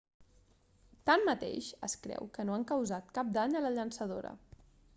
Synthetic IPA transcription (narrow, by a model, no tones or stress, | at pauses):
t̪amːət̪ḛʃə̰skɾɛ̰wkənoaŋkəwzat̪kap̚d̪aɲələʎənsəð̞oɾə̰